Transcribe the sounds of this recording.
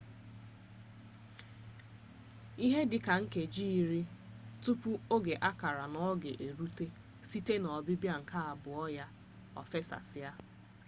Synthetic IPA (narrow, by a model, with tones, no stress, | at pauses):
i˦ɦe˦dɪ˨ka˨ŋ̩˦ke˨d͡ʒi˦i˨ɾi˦ | tʊ˦pʊ˦o˦ɡe˨ʔa˦ka˨ɾa˨nɔ˦ɡe˨ʔe˨ɾu˦te˦ | si˦te˦nɔ˨bɪ˦bja˦ŋ̩˨ka˦a˨bʊ˨ɔ˦ja˦ | ɔ̰˨fe˦sa̰˨sɪ˦a˦